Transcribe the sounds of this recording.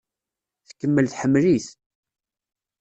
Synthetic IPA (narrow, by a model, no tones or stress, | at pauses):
θkːəmːəlθħəmːliθ